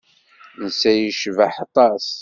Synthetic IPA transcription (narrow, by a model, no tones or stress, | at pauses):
nsæjəʃvaħɑt̪ˤɑs